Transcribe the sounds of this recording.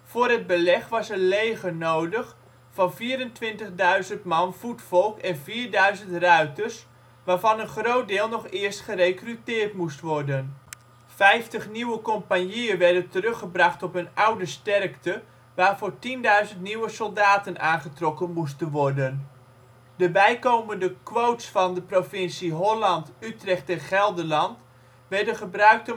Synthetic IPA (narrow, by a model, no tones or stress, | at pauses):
foːrəd̚bəlɛχʋɑsənlejɣənoːdəχ | fɑnviːɾəntʋɪntəχdœɥzəntmɑnfutfɔlˠkɛnviːɹdœɥzəntrœɥtərs | ʋaːrvɑnənχroːt̚dɪːlˠnɔχɪərstχərekrytɪːrtmustʋɔrdən | fɛjftəχniwəkompanjiəʋɛrdəntərɵχəbrɑχtɔpənʌwdəstɛrktə | ʋaːrfoːrtindœɥzəntniwəsɔlˠdaːtənaːnχətrɔkənmus̬tənʋɔrdən | dəbɛjkowməndəkʋowtsfɑndəprofɪnsiɦɔlɑntytrɛχtɛnχɛlˠdəlɑnt | ʋɛɹdənχəbrœɥk̚tə